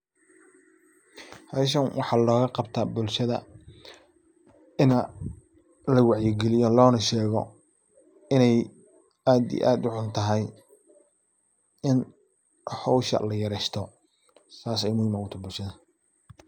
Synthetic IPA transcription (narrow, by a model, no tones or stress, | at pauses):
hɐʃ̬ɐnwʔɑħɑːlɔːɣɐqɑbt̪ʰaːbʊlʃɐðɐ̰ | ɪnɐ | lɐwɑʕjɪɡɛlɪjɔlɔːnɐʃɛːɣɔ̰ | ɪnɛj | aːd̪ḭj̰ʔaːd̪ʊʕʊnt̪ʰɐɦɛj | ɪn | hɔwʃɐ̰lɐjɐɾɛʃt̪ʰɔ | saːsɛjmʊhɪmʊt̪ʰɐbʊlʃɐðɐ